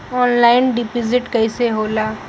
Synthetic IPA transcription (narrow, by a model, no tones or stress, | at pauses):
ɔːnlaːɪnɖɪpɪzɪʈkɐɪseɦoːlaː